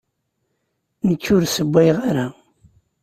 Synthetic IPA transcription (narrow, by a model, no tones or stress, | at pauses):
nəkːʊɾsəbʷːæjʁaɾa